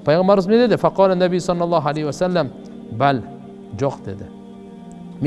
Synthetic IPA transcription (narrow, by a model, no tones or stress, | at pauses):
pʰajʁambaɾʊz̬mned̪ed̪ɪfaqɑːlanːabijsˤɑlːɑlˤˠːɑːɦalajhɪwasalːam | bal | d͡ʒoqd̪ed̪ɪ | m